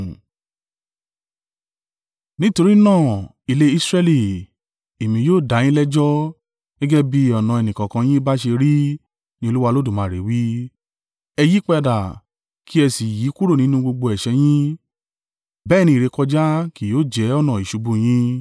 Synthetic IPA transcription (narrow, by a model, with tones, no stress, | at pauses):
nĩ˦to˧ɾi˦nãː˦˨ | i˨˧le˧˦i˦sɾɛ˧li˨ | e˨mĩ˧joː˦˨da˨˦j̃ĩ˦lɛ˦d͡ʒɔ˦ | ɡɛ˦ɡɛ˦bi˦ɔ˨nã˨˧ɛ˨nĩ˨kã˨kã˧j̃ĩ˦ba˦ʃe˧ɾi˦ | nĩ˦o˧lu˦wa˧lo˦du˦˨mãː˨˦˨ɾe˨wi˦ | ɛ˧ji˦k͡pɛ˦˧da˨ | kʰi˦ɛ˧si˨ji˨˦ku˦ɾo˦˨nĩ˨˦nũ˦ɡ͡bo˧ɡ͡bo˧ɛ˨ʃɛ˧˦j̃ĩ˦ | bɛː˦˨nĩ˧i˨ɾe˨˧kɔ˧d͡ʒa˦ki˨joː˦˨d͡ʒɛ˨˦ɔ˦˨nã˨i˨ʃu˨˧bũ˧j̃ĩ˦